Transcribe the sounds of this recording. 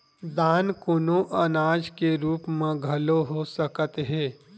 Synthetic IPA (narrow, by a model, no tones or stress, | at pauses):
d̪aːnkoːnoʔɐnaːd͡ʒkeɾuːpmẽɡʱɐloɦosəkət̪ɦɛ̃ː